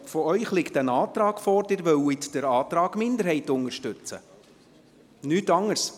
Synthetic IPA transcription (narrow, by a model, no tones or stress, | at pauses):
fɔœʏχlɪktənɑːtɾɑːɡ̥fɔɾd̥ɪɾʋœwɪt̪d̥əɾɑːt̪ɾɑːɡ̥mɪndəɾhɛɪtʊnəʃtʉt͡sə̰ | nyːtɑŋːəɾs